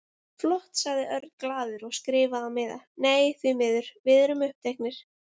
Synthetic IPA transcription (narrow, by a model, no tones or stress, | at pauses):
flɔht̪saɣðɪʔœɾt̪klaːðʏɾɔɣskɾɪːvaamɪːða̰neːjθvimɪːðʏɾ̥vɪðɾʏmʏhp̚t̪ʰejhknɪɾ̥